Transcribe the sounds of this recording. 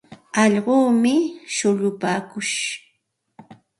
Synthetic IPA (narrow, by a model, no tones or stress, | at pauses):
ɑʎɢoːmɪʃʊʎʊpaːkʊʃ